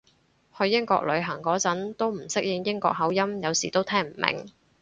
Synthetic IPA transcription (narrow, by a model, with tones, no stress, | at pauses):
hɵ˧ɥjɪ˥ŋkɔ̰ː˧k̚lɵ˨˧ɥɦɐ˨˩ŋkɔː˨˥t͡sɐ˨˥nt̪o˥wm̩˨˩sɪ˥k̚jɪ˨˧ŋjɪ˥ŋkɔ̰ː˧k̚ɦɐ˨˥wjɐ˥mjɐ˨˧wsiː˨˩t̪o˥wt̪ʰɛː˥ŋm̩˨˩mʔɪ̰˨˩ŋ